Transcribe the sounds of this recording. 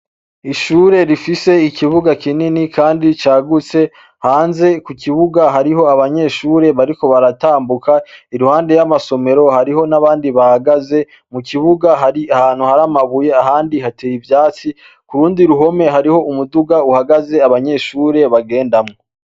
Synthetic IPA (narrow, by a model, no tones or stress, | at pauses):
iʃuːɾe̞ɾifise̞ikʰiβuɡakininikʰaːndit͡ʃaːɡut͡se̞ | haːnze̞kukʰiβuɡaɦaɾiɦo̞aβaɲe̞ʃuːɾe̞βaɾiko̞βaɾataːmbukaiɾuhaːnde̞jamaso̞me̞ɾo̞haɾiho̞naβaːndiβahaɡaze̞ | mukiβuɡaɦaiahaːnhuhaɾamaβuje̞aɦaːndihateːjivjaːt͡si | kuɾuːndiɾuɦo̞me̞ɦaɾiho̞umuduɡauhaɡaze̞aβaɲe̞ʃuːɾe̞βaɡe̞ːndamŋoo